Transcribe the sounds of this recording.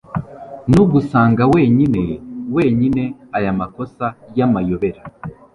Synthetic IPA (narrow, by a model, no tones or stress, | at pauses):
nuɡusaːŋɡawe̞ːɲine̞we̞ːɲine̞ajamako̞sajamajo̞βe̞ɾa